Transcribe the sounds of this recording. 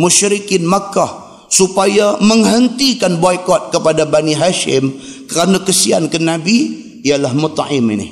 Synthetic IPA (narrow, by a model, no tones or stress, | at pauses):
muʃɾikɪnmakːah | supajaməŋɦənt̪ikanbɔjkɔt̪̚kəpadabaniɦaʃɪ̰m | kəɾanakəsia̰nkənabi | ijalahmʊt̪aʔɪmḭnḭ